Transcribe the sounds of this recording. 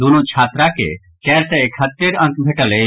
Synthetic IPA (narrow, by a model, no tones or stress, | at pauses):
d̪unot͡ʃʰaːt̪ɾakḛ | kɛɾʈɛekʰət̪ːeɾə̃kbʱeʈəle